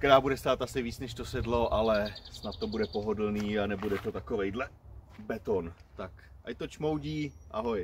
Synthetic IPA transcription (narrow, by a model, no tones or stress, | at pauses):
kt̪ɛɾaːbudɛst̪aːt̪asɪviːt͡snɛʃt̪osɛdlo̞ʔalɛsnat̪ːo̞budɛpo̞ɦo̞dl̩niːanɛbudɛt̪o̞t̪ako̞vɛjdlɛ | bɛt̪ont̪ak | ʔajt̪ot͡ʃmowɟiːʔaɦoj